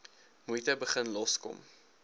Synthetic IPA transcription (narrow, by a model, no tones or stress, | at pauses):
mujtəbəχənlɔskɔ̰m